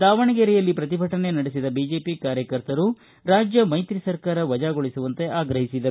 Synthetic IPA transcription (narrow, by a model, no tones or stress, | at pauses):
d̪aːʋɐɳɐɡeɾɛjɐlːipɾɐt̪̬ibʱɐʈɐne̞nɐɽesid̪ɐbiːd͡ʒe̞ːpikaːɾjɐkɐɾt̪ɐɾu | ɾaːd͡ʒjɐmɐjt̪ɾisɐɾkaːɾɐʋɐd͡ʒaːɡoɭisuʋɐnt̪e̞ʔaːɡɾɐɦisid̪ɐɾu